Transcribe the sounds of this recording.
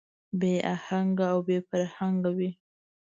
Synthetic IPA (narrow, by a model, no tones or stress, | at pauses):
beʔahaŋɡaːwbefaɾhaŋɡawi